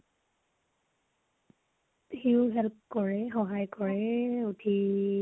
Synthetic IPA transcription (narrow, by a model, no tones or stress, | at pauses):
hiʊɦɛlp̚kɔɹɛxɔɦajkɔɹɛutʰi